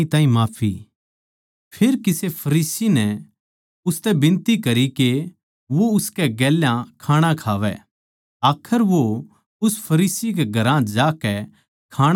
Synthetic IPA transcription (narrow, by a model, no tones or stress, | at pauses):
it̪ãːĩmaːpʰḭ | pʰeɾkɪsepʰɐɾiːsinɛ | ʊst̪ɛbɪ̃nt̪ikɐɾike | ʋoʊskɛɡɛːljãkʰaːɽ̃ãkʰaːʋɛ̰ | aːkʰəɾʋo | ʊspʰɐɾiːsik̬eɡʱɐɾãd͡ʒaːkɛ | kʰaːɽ